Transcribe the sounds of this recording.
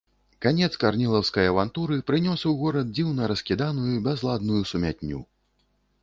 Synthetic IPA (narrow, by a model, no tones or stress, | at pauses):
kanʲɛt̪skarnʲilˠɐwskɐjɐvant̪uɾɨpɾɨnʲɔsɐwɣɔɾɐd̪̚d͡zʲiwnɐɾɐskʲid̪anujubʲɛzlˠad̪̚nujusumʲat̪ʲnʲːṵ